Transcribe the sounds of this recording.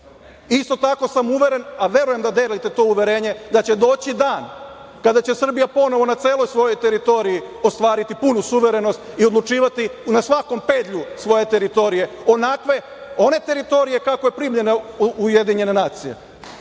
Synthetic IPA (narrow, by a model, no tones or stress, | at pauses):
ist̪o̞t̪ako̞samuʋe̞ɾe̞naʋje̞ɾuje̞md̪ad̪elit̪e̞t̪o̞uʋe̞ɾe̞ːɲe̞d̪at͡ɕe̞d̪o̞ːt͡ɕid̪aːn | kad̪at͡ɕe̞sr̩bijapo̞no̞ʋo̞nat̪seːlˠo̞jsʋo̞jo̞jt̪eɾit̪o̞ɾijio̞st̪ʋaːɾit̪ipunusuʋe̞ɾe̞no̞st̪io̞d̪lˠut͡ʃiːʋat̪inasʋako̞mpe̞ːd̪ʎusʋo̞je̞t̪e̞ɾit̪o̞ɾije̞ | o̞nakʋe̞ | o̞ne̞t̪e̞ɾit̪o̞ɾije̞kako̞je̞pɾimʎe̞nauje̞d̪iɲe̞ne̞naːt̪sije̞̰